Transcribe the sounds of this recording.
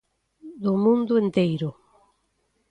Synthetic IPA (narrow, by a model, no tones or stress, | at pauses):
d̪ʊmũnd̪ʊent̪ejɾʊ